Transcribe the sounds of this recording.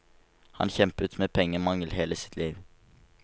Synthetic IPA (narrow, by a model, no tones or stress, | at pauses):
hɑ̰nçɛmpʉt̪meːpʰɛŋːəmɑŋəlheːləsɪ̥t̪ʰliːʋ